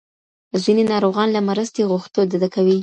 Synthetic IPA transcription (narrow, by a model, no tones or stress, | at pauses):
zinenɑɾoɣɑnlamaɾəst̪eɣuxt̪od̪ad̪akawi